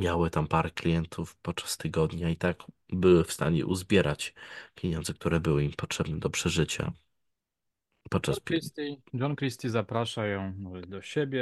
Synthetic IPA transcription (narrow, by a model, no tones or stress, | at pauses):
mʲjawɘt̪ampaɾɛklʲijɛnt̪ʰufpɔt̪t͡ʂḁst̪ɘɡɔd̪ɲait̪aɡbɘwɘfst̪a̰ɲɛ̰ʔuzbʲjɛɾʔat͡ɕpʲjeɲɔ̃nd̪zɛk̚t̪uɾɛbɘwɘimpɔtʂɛbnɛd̪ɔpʂɛʐɘt͡ɕa̰ | pɔt̪̚t͡ʂasʲsid͡ʒɔnkɾist̪ʲizapɾaʂajɔ̃w̃d̪ɔɕebʲjɛ